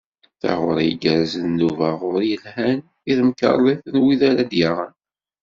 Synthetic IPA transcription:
θa̰ʁʊɾˤjəɡəɾzənnːuvæʁʊɾjəlhæn | iðmkə̰rˤːeθənwiðæɾad̪jaʁən

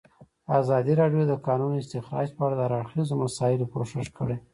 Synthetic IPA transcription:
azɑd̪iɾɑɖjod̪əkɑnunoɪst̪ɪxɾɑ̰d͡ʒpəaɽad̪əaɾaɽxizomasɑɪlokoʃɪʃkəɽe

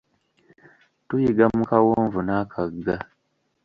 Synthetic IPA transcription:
tujiɡamukawoːɱvunaːkʰaɡa

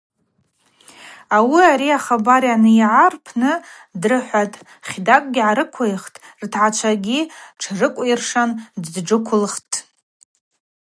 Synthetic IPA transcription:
awiaɾiaχabaɾjanɨjʕarpʰnɨ | drɨħʷatʼ | χʲdakʼɡʲiʕaɾɨkʷʰejχtʼrtʰʕat͡ʃʷʰaɡʲiʈ͡ʂʰrɨkʷʼirʂandʈ͡ʂɨkʷʰʊlχtʼ

